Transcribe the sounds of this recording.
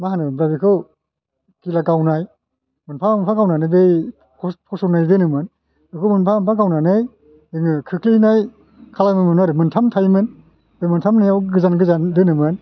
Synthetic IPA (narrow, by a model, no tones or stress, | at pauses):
maɦanɯbɾabikʰɯw | kilaɡawnaj | mɯnpʰanpʰaɡawnanɯjbej | pʰɔpʰɔsɔnajdɯnɯmɯn | ɯkʰɯmɯnpʰaampʰaɡawnanɯj | ɯŋɯkʰɯkʰlinaj | kʰalamɯmɯnaɾɯmɯntʰamtʰajmɯn | b̥ejmɯntʰamnajawɡɯzanɡɯzandɯnɯmɯn